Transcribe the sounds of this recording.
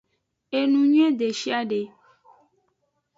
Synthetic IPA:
e˨nũ˨ɲũ˦ẽ˦d̪e˨ʃi˦a˦ɖe˨

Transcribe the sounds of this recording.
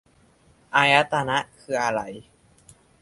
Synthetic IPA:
ʔaː˧ja˦˥t̪a˧na˦˥ʔkʰɯː˧˩ʔa˧ɾa˧˩j

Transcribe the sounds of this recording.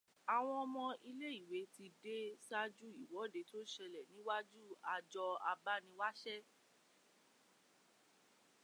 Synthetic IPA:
a˨w̃ɔ̃˧ɔ˧mɔ̃˧ʔi˧le˦i˦˨we˨˦ti˧de˦sa˦d͡ʒu˦i˨wɔ˨˦de˨˦to˦ʃɛ˧lɛ˨nĩ˨˦wa˦d͡ʒu˦˨a˧d͡ʒɔ˧a˧ba˦nĩ˧˦wa˦ʃɛ˦

